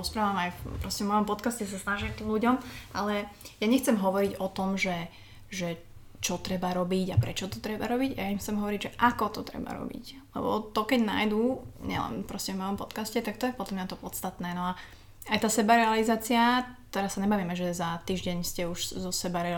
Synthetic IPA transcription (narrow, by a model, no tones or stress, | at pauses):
ɔspɾaːʋamajpɾɔscɛvmɔjɔmpɔt̪kascɛs̬asnaʒimt̪iːmluɟɔmʔalɛjaɲɛxt͡sɛmɦɔʋɔɾiɟɔt̪ɔmʒɛ | ʒɛ | t͡ʃɔt̪ɾɛbaɾɔbiɟapɾɛt͡ʃɔt̪ɔt̪ɾɛbaɾɔbiɟajaimxt͡sɛmɦɔʋɔɾiɟʒɛʔakɔt̪ɔt̪ɾɛ̰ba̰ɾɔ̰bḭc | lɛ̰bɔ̰t̪ɔkɛɟna̰jd̪uɲɪ̰ɛ̰lɛ̰npɾɔscɛvmɔjɔmpɔt̪kascɛt̪akt̪ɔjɛpɔd̪lamɲat̪ɔpɔt͡st̪at̪nɛːnɔa | ajt̪aːsɛbaɾɛalizaːt͡siat̪ɛɾasːaɲɛbaːʋiːmɛʒɛzat̪iːʒɟɛɲscɛuʃzɔsɛbaɾɛ